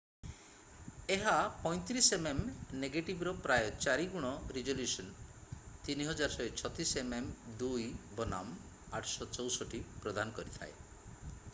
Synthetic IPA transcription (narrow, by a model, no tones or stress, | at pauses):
eɦapɔj̃t̪ɾisememneɡeʈibɔɾɔpɾajɔt͡ʃaɾiɡuɽ̃ɔɾid͡ʒoljusɔnt̪iniɦɔd͡ʒaɾsɔet͡ʃʰɔt̪isememd̪ujbɔna̰m | aʈʰsɔt͡ʃɔwsɔʈipɾɔd̪ʱanɔkɔɾit̪ʰa̰ḛ